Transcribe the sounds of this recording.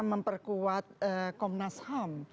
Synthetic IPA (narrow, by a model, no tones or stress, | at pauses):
məmpərkuwat̪̚əkɔmnasham